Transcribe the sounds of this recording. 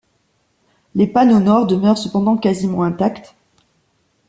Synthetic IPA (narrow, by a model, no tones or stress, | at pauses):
lepanonɔʁd̪əmœʁsəpɑ̃d̪ɑ̃kazimɑ̃ɛ̃t̪akt̪